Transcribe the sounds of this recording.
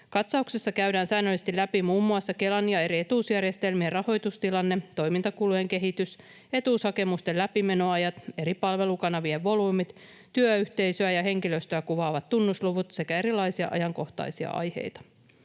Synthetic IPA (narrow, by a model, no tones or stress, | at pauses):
kɑt̪sɑuksesːɑkæyɥdæːnsæːnːølːist̪ilæpimuːmːuɑsːɑke̞lɑnːiɑe̞ɾie̞t̪uːsjærjest̪e̞lmierɑho̞jt̪ust̪ilɑnːet̪o̞jmint̪ɑkulueŋke̞ɦit̪ys | e̞t̪uːshɑke̞must̪e̞læpime̞no̞ɑjɑt̪e̞ɾipɑlʋe̞lukɑnɑʋieʋʋo̞luːmit̪ | t̪yøyht̪e̞jsøæjɑɦe̞ŋkiløst̪øækuʋɑːʋɑt̪tunːusluʋut̪se̞kæe̞ɾilˑɑijsiɑ̰ʔɑ̰jɑŋko̞ht̪ɑ̰jsiɑ̰ʔɑ̰jhe̞̰jt̪ɑ̥